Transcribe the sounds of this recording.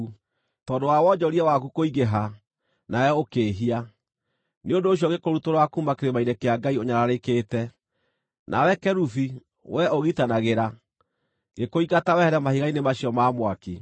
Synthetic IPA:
tɔːndowawɔd͡ʑɔɾiawakukoiɣeɦa | naɛokeːɦia | neondoːɕ̬jɔɣekoɾutoɾakumakeɾemainɛkeaɡaioɲaɾaɾekeːtɛ | nʔa̰wɛkɛɾufi | wʔɛoɣitanaɣeɾa | ɡekoiɣatawɛhɛɾɛmahiɣainemaɕiɔmaːmwaki

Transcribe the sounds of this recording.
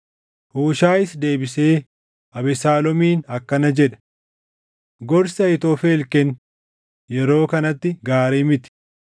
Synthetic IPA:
hoːʃaːɪsd̪e̞ːbɪse̞ː | ʔɐbɛsaːlɔmiːnɐkːɐnɐd͡ʒɛᶑɐ̥ | ɡɔɾsɐjɪt̪oːfeːlkɛn | jɛɾo̞ːkɐnɐt̪ːɪɡaːɾeːmɪt̪ɪ̥

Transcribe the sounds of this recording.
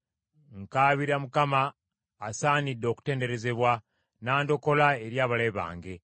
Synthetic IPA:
ŋkaːβiɾamukamaː | saːnidːo̞ːku̥te̞ːnde̞ɾe̞ze̞βwa | naːndo̞ko̞lae̞ɾjaːβaleβa̰ːŋɡe̞

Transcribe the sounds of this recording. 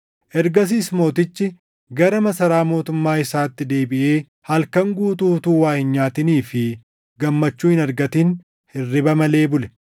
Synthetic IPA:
ʔɛɾɡɐs̬iːsmo̞ːt̪ɪt͡ʃːɪ | ɡɐɾɐmɐsɐɾaːmo̞ːt̪ʊmːaːɪsaːt̪ːɪd̪e̞ːbɪʔe̞ː | hɐlkɐŋɡuːt̪uːt̪uːwaːhɪnɲaːt̪ɪniːfɪ | ɡɐmːɐt͡ʃːuːhɪnɐɾɡɐt̪in | hɪrːɪbɐmɐle̞ːbʊlɛ̥

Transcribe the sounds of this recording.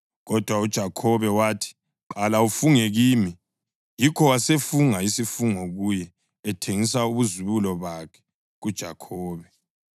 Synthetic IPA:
ɣɔd̥ʱwaud̥ʒ̥ʱakʰɔβɛwaːtʰi̥ | ǃalaufuŋɛɣiːmi | jikʰɔwasefuŋaisifuŋɔɣujɛː | tʰeŋisauβuziβulɔβakʰɛ̥ | ɣud̥ʒ̥ʱa̰kʰɔːβɛ

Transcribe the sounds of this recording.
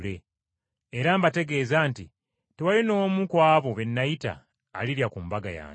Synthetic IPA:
le̞ː | ɾambate̞ɡe̞ːzanti | tewalino̞mukwaːβoβe̞nːajita̰ː | liɾjakumbaɡa̰ja̰ː

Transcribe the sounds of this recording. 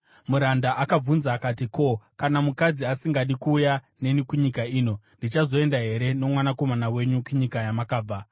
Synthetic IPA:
muɾandaʔakab͡vunzaːkatiko̞kanamukad͡ziasiŋɡaɗikuːja | ne̞nikuɲikaiːno̞ndit͡ʃazo̞e̞ndaɦe̞ɾe̞no̞mwanako̞manawe̞ɲukuɲikajamakaːb͡va

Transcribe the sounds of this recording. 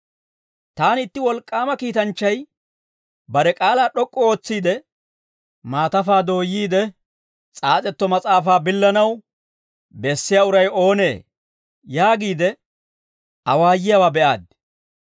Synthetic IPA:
t̪aːnɪt̪ːɪwɔlkʼːaːmɐkiːt̪ɐnt͡ʃːɐj | bɐɾɛkʼaːlaːɗɔkʼːɔo̞ːt͡sːiːd̪ɛ | maːt̪ɐfaːd̪o̞ːjːiːd̪ɛ | t͡sʼaːt͡sʼɛt̪ːɔmɐt͡sʼaːfaːbɪlːɐnɐw | bɛsːɪjaʊɾɐjo̞ːne̞̰ː | jaːɡiːd̪ɛ | ʔɐwaːjɪjawaːbɛʔa̰ːd̪̚

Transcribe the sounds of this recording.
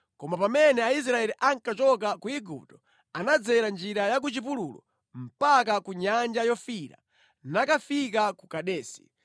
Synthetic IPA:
kɔmapamɛnɛais̬ɾaɛliʔaŋkat͡ʃɔk̬akuiɡup̚tɔ̥ | anad͡zɛɾand͡ʒiɾajak̬ut͡ʃip̬ulṵːlɔ̰ | m̩pak̬akuɲand͡ʒajɔfiɾa̰ | nakafikakukaɗɛːsi̥

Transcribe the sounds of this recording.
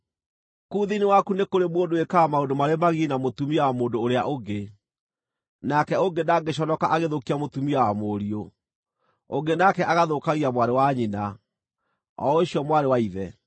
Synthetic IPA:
kuːðinewakunekoɾemwondoekaːmaondomaɾemaɣinamotumiawamoːndoːɾea̰ʔoɡe | nakɛoŋɡenaɡeɕ̬ɔnɔkaʔaɣeðokiamotumiawamoɾio | oŋɡenakɛʔaɣaðokaɣiamwaɾewaɲina | ɔ̰oɕiɔmwaɾewaiðɛ

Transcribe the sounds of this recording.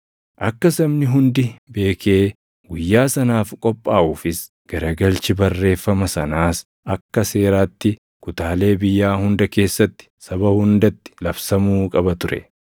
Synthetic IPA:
ʔɐkːɐsɐmnɪɦʊnd̪ɪbe̞ːkʰe̞ː | ɡʊjːaːsɐnaːfkʼɔpʼːaːʔuːfɪs | ɡ̥ɐɾɐɡɐlt͡ʃɪbɐrːe̞ːfːɐmɐsɐnaːs | ɐkːɐse̞ːɾaːt̪ːɪ | kʊt̪aːle̞ːbɪjːaːhʊnd̪ɐke̞ːsːɐt̪ːɪ̥sɐbɐhʊnd̪ɐt̪ːɪ̥lɐbsɐmuːkʼɐbɐt̪ʊɾɛ̰

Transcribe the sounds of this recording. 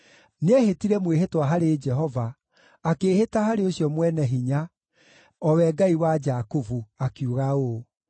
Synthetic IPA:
neɛhetiɾɛmweɦetwaɦaɾed͡ʒɛɦɔvaː | keːhetahaɾeoɕiɔmwɛnɛɦiɲa | ɔwɛɡaiwad͡ʒakovuakjuɣao

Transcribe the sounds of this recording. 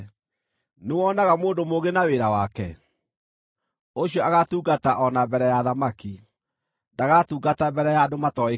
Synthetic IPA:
newɔnaɣamoːndomoɣenaweɾawakɛ | oɕjɔaɣatuːɡataʔɔnabɛɾɛjaðamaki | ndaɣatuːɡatabɛɾɛjadomatɔe

